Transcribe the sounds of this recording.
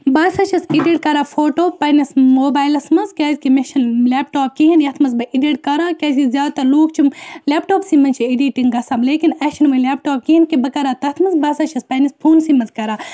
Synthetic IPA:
bɐːsɐt͡ʃʰɐsiɖiʈkɐɾaːfʰoːʈoːpɐjnismoːbaːjlɐsmɐnzkʲaːzʲkimiʃɐnlʲeːpʈoːp̚kiɦinjɐt̪ʰmɐzbɐʔiɖiʈkɐɾaːkʲɐzʲizʲaːd̪t̪ɐluːkt͡ʃʰumleːpʈoːpsimɐnʲt͡ʃʰiiɖiʈiŋɡɐsaːmleːkinɐʃʰɐnʋɐlʲeːpʈoːp̚kiɦinkibɐkɐɾaːt̪ɐt̪ʰmɐzbɐsɐt͡ʃʰɐspɐnispʰuːnsimɐnzkɐɾaː

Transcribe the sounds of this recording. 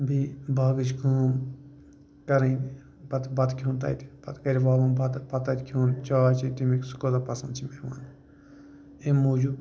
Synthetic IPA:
bibaːɡɨt͡ʃɡuːm | kɐɾɐn | bɐt̪bɐt̪kʰʲjoːnt̪ɐ̰jt̪ʲbɐt̪kɐɾʲiʋaːʋɐmbɐt̪pɐt̪ɐt̪ʲkʰjoːnt͡ʃaːt͡ʃʰit̪imiksu̥kod̪ɐpɐsɐ̃nt͡ʃʰimeʋa̰ːn | emoːd͡ʒu

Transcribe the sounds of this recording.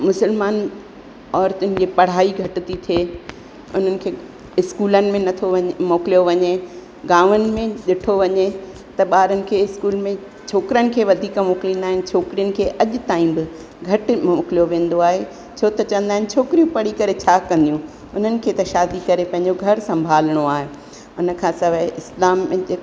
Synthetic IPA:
mʊsəlmaːn | ɔːɾt̪ʊnɪ̆d͡ʑeːpɐɽ̤aːiɡʱɐʈɪt̪it̪ʰeː | ʊn̤ənɪ̆kʰeː | ɪskuːlənɪ̆mẽnɐt̪ʰomoːkɪlijoʋɐɲe | ɡaːʋənɪ̆mẽɗɪʈʰoʋɐɲe | t̪ɐɓaːɾənɪ̆kʰeːɪskuːlmẽ | t͡ɕʰoːkɪɾənɪ̆kʰeːʋɐd̪ʱiːkmoːklĩnaːɦɪnɪ̆t͡ɕʰoːkɾijənɪ̆kʰeːʔɐʄʊt̪aːĩbɪ | ɡʱɐʈɪ̆moːkɪlijoʋẽːn̆d̪oaːɦe | t͡ɕʰoːt̪ɐt͡ɕɐʋə̃n̆d̪aːɦɪnɪ̆t͡ɕʰoːkɾijũpɐɽikɐɾet͡ɕʰaːkɐ̃nd̪ijũ | ʊn̤ənɪ̆kʰeːt̪ɐʃaːd̪ikɐɾepɐ̃ɦɪ̃ɲd͡ʑoɡʱɐɾsɐ̃mbʱaːlɽ̃oaːɦe | ʊnə̆kʰãːsɐʋɪslaːmːẽe

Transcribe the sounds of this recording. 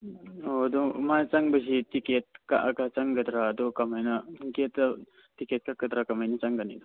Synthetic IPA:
od̪ɔmat͡ʃaŋbɐsitiket̚ka̰ʔakat͡ʃaŋɡɐd̪ɾaːd̪ɔkɐmajnɐketːɐ | tiket̚kakɐd̪ɾakɐmajnɐt͡ʃaŋɡɐnid̪ɔ

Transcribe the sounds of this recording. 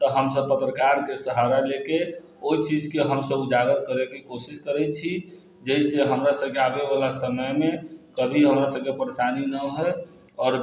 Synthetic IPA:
t̪əɦəmsəb̚pət̪ɾəkaɾkesəɦaɾaleke | oit͡ʃid͡ʒkeɦəmsəbud͡ʒaɡət̪̚kəɾekekosiskəɾɛt͡ʃʰi | d͡ʒəiseɦəmɾasəb̚keabeβalasəməjmekəbʱiɦəmɾasəb̚kepəɾesaninəɦɔj | ɔːɾ

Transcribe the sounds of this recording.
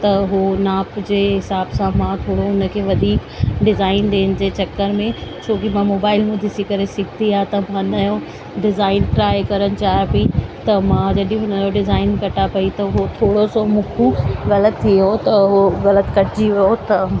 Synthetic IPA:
t̪ɐɦunaːpd͡ʑeːɦɪsaːbsãmãt̪ʰoːɽoɦʊnə̆kʰeːʋɐd̪ʱiːk | ɖɪzaːɪnɗ̪eːnɪ̆d͡ʑeːt͡ɕɐkːəɾmẽt͡ɕʰoːkimãmoːbaːɪlmud̪ʱɪsikɐɾesɪɡʱt̪iaːt̪ɐmãnɐjõ | ɖɪzaːɪnʈɾaːjkɐɾəñɪ̆t͡ɕaːɦepit̪ɐmãd͡ʑɐɗĩɦʊnəd͡ʑoɖɪzaːɪnkɐʈapɐit̪ɐɦot̪ʰoːɽosomʊkʰũɣɐlət̪ʰːiot̪ɐɦoɣɐlət̪kɐʈʰɪd͡ʑiʋiot̪ɐ

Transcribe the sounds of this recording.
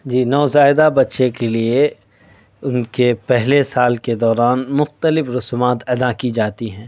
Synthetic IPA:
d͡ʒiːnɔːzaːɪd̪abɐtːʃekelie | ʊnkepɛɦlesaːlked̪ɔːɾaːnmʊxt̪əlɪfɾʊsmaːt̪ɐd̪akid͡ʒaːt̪iɦɛ̃ː

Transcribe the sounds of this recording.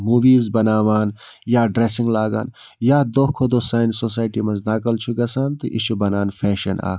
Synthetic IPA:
muːʋiːzbɐnaːʋaːn | jaːɖɾeːsiŋɡlaːɡa̰ːn | jaːd̪oːkʰod̪osaːjnsoːs̬aːjʈimɐznaːkɐlt͡ʃʰuɡɐsaːnt̪ɨʔḭʃʰubɐnaːnfʰeːʃɐna̰ː

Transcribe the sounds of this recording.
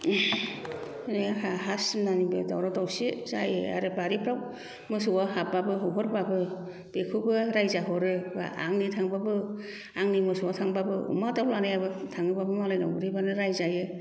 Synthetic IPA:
nɯjahaɦasmnanibɯda̰wɾatawsizajɯa̰ɾɯbaɾipʰɾaw | mɯsuwahababɯɦɔɦɔɾbabɯ | b̥ekʰubɯɾajzaɦɔɾɯba̰ʔa̰ŋnitʰaŋbabɯ | aŋnimɯsuwatʰaŋbabɯṵmatawlanɯjabɯtʰaŋɯbabɯmalɯjna̰wbɯɾibanɯɾajzajɯ

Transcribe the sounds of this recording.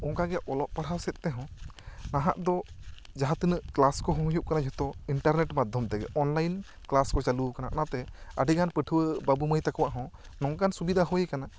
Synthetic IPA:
ɔŋkaɡɛʔɔlɔʔ̚paɽ̤awsɛt̪̚t̪ɛɦɔ̃naɦa̰ʔd̪ɔ | d͡ʒaɦat̪ənəʔklaskɔɦɔ̃ɦujuʔ̚kanad͡ʒʱɔt̪ɔiɳʈaɾnɛʈmad̪ʱɔmt̪ɛɡɛ̰ʔɔnlajn | klaskɔt͡ʃalukana̰ʔnat̪ɛəɖiɡanpəʈʰəwəbabuməjt̪akɔwaʔɦɔ̃nɔŋɡansubid̪ʱaɦɔjɛkana

